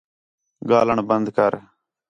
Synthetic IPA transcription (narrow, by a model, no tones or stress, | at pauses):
ɡaːləɳbənd̪kəɾ